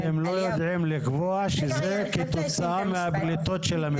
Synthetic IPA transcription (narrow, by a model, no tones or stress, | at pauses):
emlo̞jod̪ʕimlikvoaʃezeket̪o̞t͡saameablit̪o̞tʃelam